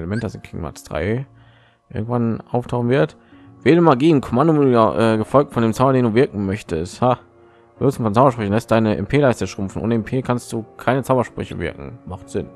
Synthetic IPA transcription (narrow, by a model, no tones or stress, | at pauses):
ləmɛntəd̥asɪnɡ̥ɪːɡŋ̩ma̰tsd̥ʁa̰ɪ | ʔɪ̰ɐɡŋ̩tv̥anʔaʊftʰaʊχn̩vɪɐt | veːdəmaɐɡiːnkʰɔmandʊmɪ̰ʔɛːɡəfɔlk̚tfɔndeːmt͡saʊbɐdeːnduːvɪɐkŋ̩mœçtəstha | v̥osmfɔnt͡saʊbɐʃpʁ̥ʏçn̩lɛstdaɪnəʔɛ̰mpʰeːlaɪstəʃʁ̥ʊmfn̩ʔo̰ːnəɛmpʰeːkʰanst̚d̥uːkʰaɪnət͡saʊbɐʃpʁ̥ʏ̰çə̰vɪ̰ɐkŋ̩maχtz̥ɪn